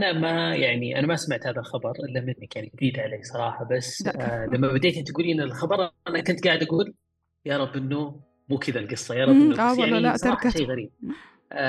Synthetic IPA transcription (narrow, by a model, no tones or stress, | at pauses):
ʔanamajaʕniʔa̰namasmaʕt̪haːðalxɑbɑɾˤʔɪlːamɪnːakjanid͡ʒɪd̪iːd̪ʕaleːsˤɑɾˤɑːħɑbasːlamːabad̪eːt̪ʔɪnt̪ɡuːliʔɪnːɪlxɑbɑɾˤʔanakʊnt̪̚ɡaːʕɪd̪ʔaɡuːl | jɑɾˤɑbːʔɪnːʊ | muːkʰɪd̪alɡɨsˤːɑjɑɾˤɑbʔɪnnːsˤɑɑːħɑʃajːɣaɾiːb̚